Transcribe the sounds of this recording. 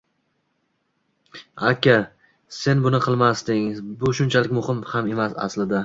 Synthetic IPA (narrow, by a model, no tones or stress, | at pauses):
akʲʰa | se̞nbʊnɪqʰɨlˠmast̪ɪŋbʊʃʊnt͡ʃʰalɪkʲmʊhɪmhame̞masa̰slɪd̪a